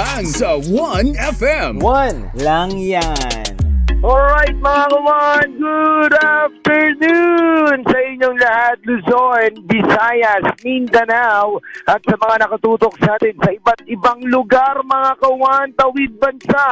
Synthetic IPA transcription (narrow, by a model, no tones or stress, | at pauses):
aŋsɐwɐnɛfɛ̃mwɐn | laŋjanʔolɹajt̪̚mɐŋakɐwaʔɐnɡud̪aft̪ɛɹnunsɐʔɪɲːoŋlɐhat̪̚lʊzoɹnbɪsaːjɐsnind̪ɐnawʔɐt̪̚sɐmɐŋanɐkɐt̪uːt̪o̞k̚saːt̪ɪnsɐʔɪbat̪̚ʔɪbaŋlʊɡaɾmɐŋakɐʊwaʔɐnt̪ɐwid̪̚bɐnsaʔ